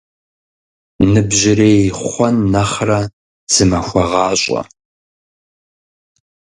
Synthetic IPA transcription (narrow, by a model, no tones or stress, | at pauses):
nɨbʑɪreːχχʷɔnːɐχrɐ | z̥ɨmɐxʷɔʁɑːɕʷʼɔ̰